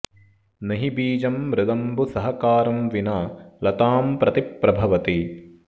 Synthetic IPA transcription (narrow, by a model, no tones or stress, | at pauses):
nɐɦibiːd͡ʒɐmːɾɪd̪ɐmbusɐɦɐkaːɾɐmʋinaːlɐt̪aːmpɾɐt̪ipːɾɐbʱɐʋɐt̪i